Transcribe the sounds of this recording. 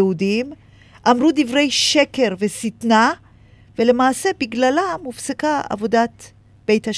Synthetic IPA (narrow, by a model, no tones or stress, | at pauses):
eudim | ʔamʁud̪ivʁejʃeke̞ʁvesit̪na | vele̞maːse̞biɡlalamufsekaa̰vo̞dat̪ | b̥e̞jt̪haʃ